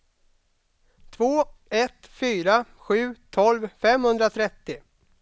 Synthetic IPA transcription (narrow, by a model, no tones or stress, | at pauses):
t̪ʰvoːɛt̪fyːɾa | ɧʉ̟ːt̪ʰɔlvfɛmhɵnd̪ɾat̪ʰɾɛt̪ːɪ